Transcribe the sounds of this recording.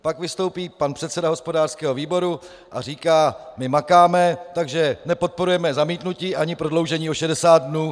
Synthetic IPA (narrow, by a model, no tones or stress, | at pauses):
pakvɪst̪o̞wpiːpanpr̝̥ɛt̪sɛdaɦo̞spo̞daːr̥skɛːɦo̞viːbo̞ɾu | ʔariːkaːmɪmakaːmɛt̪aɡʒɛnɛpo̞t̪̚po̞ɾujɛmɛzamiːt̪nuciːʔaɲɪpɾodlo̞wʒɛɲiːʔoʃɛdɛsaːd̪̚dnuː